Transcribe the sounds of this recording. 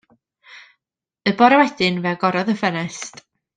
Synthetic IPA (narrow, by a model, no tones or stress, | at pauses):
əbɔɾɛwɛd̥ɨnvɛɡɔɾɔðəfənɛst